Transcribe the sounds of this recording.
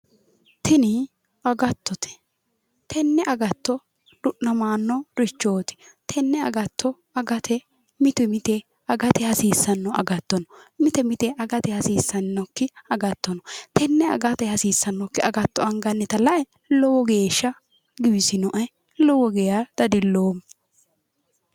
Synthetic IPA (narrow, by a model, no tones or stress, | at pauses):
t̪ʰɪnɪ | ɐɡɐt̪ːɔt̪ʰɛ̥ | t̪ʰɛnːɛʔɐɡɐt̪ːɔ | ɗʊʔnɐmaːnːɔɾɪt͡ʃːoːt̪ɪ̥t̪ʰɛnːɛɐ̰ɡɐt̪ʰːɔ | ɐɡɐt̪ʰɛ | mɪt̪ɛmɪt̪ɛ | ɐɡɐt̪ɛhɐsiːsːɐnːɔʔɐ̰ɡɐt̪ːɔnɔmɪt̪ɛmɪt̪ɛɐɡɐt̪ɛhɐsiːsːɐnnːɔkːɪɐɡɐt̪ːɔnɔt̪ʰɛnːɛɐ̰ɡɐt̪ɛhɐsiːsːɐnːɔkːɪɐɡɐt̪ːɔɐŋɡɐnːɛt̪ɐlɐʔɛ | lɔwɔɡeːʃːɐ | ɡɪwɪsɪnɔʔɐj | lɔwɔɡɛjad̪̥ɐd̪ɪlːoːm